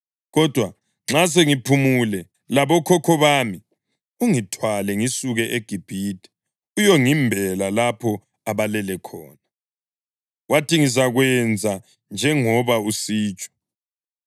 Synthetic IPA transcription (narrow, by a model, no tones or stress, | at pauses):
ɣɔd̥ʱwa | ŋ͡ǁas̬eŋipʰumulɛ | laβɔkʰɔkʰɔβaːmi | uŋitʰwalɛŋisuɣɛʔeɡ̥ʱib̥ʱidʱʼɛ̥ | ujɔŋimbʱɛlalapʰɔ | aβalɛlɛkʰɔːna | watiŋisaɣwɛnd͡zʱa | nd͡ʒʱɛŋɔβausiːt͡ʃʼɔ̥